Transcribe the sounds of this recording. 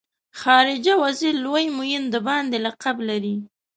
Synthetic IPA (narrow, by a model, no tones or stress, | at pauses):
xɑɾɪd͡ʒawaziɾlojmujɪnd̪əbɑnd̪elaqablaɾi